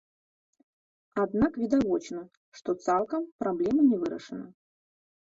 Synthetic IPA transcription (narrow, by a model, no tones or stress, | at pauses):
ad̪nakvʲɪd̪avɔt͡ʃnɐ | ʂt̪ɔt̪salˠkɐmpɾablʲɛmɐnʲɛvɨɾɐ̰ʂɨnɐ